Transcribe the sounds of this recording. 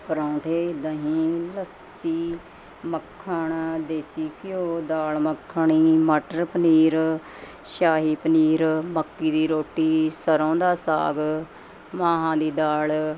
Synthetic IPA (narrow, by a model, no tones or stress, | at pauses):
pəɾãːt̪ʰeːd̪ãːɦĩːləs | iː | məkʰːəɳd̪eːsiːkɪjoːd̪aːlməkʰːəɳiːməʈəɾpəniːɾ | ʃaːɦiːpəniːɾməkːiːd̪iːɾoːʈːiːsəɾõːd̪aːsa̰ːɡ | mãːɦãːd̪iːd̪aːl